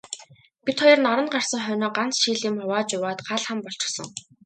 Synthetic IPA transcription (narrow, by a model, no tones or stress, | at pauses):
pit̪χɔjɞ̆rnɔɾɞ̆nɢar̥sə̆ŋχœnɔːɢant͡sʃiːɮiːmχʊwaːt͡ɕʊwaːt̪ɢaɮχə̆mpɔɬt͡ɕɪ̥̆sɞ̰̆ŋ